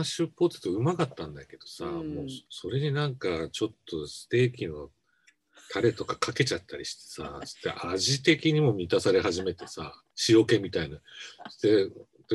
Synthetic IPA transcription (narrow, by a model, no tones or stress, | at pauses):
aɕɨpːo̞ːt͡sɨ̥t̪oɯ̟makat̪ːãnd̪ake̞d̪̥o̞samo̞ːso̞ɾe̞ɲ̟inãŋkat͡ɕo̞t̪ːo̞sɨ̥t̪e̞ːkʲino̞ | t̪ʰaɾe̞t̪o̞kakʰake̞t͡ɕat̪ʰːaɾʲiɕi̥t̪e̞̥sa̰sɨ̥t̪ːḛʔaʑit̪e̞kʲiɲ̟imo̞mʲit̪asaɾe̞ɦaʑime̞t̪e̞sa | ɕio̞ke̞mʲit̪ainaɨ̥t̪e | t̪o